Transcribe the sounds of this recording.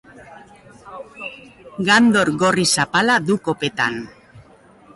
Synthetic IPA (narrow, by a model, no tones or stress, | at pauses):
ɡand̪o̞ɾɣo̞risapalaðuko̞pe̞t̪a̰n